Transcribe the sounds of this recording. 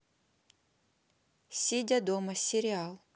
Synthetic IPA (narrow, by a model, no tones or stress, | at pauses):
sʲidʲad̪omɐsʲɪɾʲɪalˠ